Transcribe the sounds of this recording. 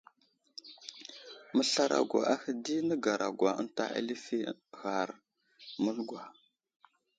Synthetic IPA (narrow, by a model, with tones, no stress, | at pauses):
mə˦ɬa˦ɾa̰˨ɡʷa̰˨ʔa˦hə˦di˦nə˦ɡa˨ɾa˨ɡwa˨ə̰˦nta̰˦ʔa̰˦li˦fi˦ɣa˨ɾ | mə˦lɡʷa˨